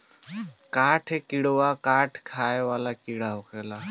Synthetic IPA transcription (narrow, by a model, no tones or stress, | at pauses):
kaʈʰɦekiɽʋakaʈʰkʰajʋalakiɽaɦokela